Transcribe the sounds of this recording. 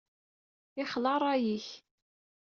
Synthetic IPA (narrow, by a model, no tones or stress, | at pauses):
ɪχlɑɾˤɑjiç